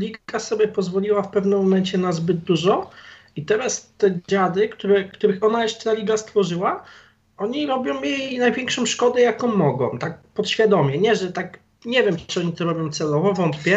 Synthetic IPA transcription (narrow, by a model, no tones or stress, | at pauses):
lʲiɡasɔbʲjɛpɔzvɔlʲiwafpɛvnɨmːɔmɛnt͡ɕɛnazbɘd̪d̪uʐɔ | it̪ɛɾast̪ɛd͡ʑad̪ɘkt̪uɾɛkt̪uɾɘxɔnajɛʂt͡ʂt̪alʲiɡast̪fɔʐɘwa | ɔɲiɾɔbʲjɔ̃w̃mʲjɛnajvʲjɛŋkʂɔ̃w̃ʂkɔd̪ɛjakɔ̃wmːɔɡɔ̰̃w̃t̪ak̚pɔt̪ɕfʲjad̪ɔmʲjɛɲɛʐɛt̪ak | ɲɛvʲjɛmɨɔɲit̪ɔɾɔbʲjɔ̃w̃t̪sɛlɔvɔvɔnt̪pʲjɛ